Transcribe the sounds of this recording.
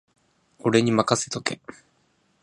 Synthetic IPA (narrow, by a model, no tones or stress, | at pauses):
o̞ɾe̞ɲ̟imakase̥t̪o̞ke̞̰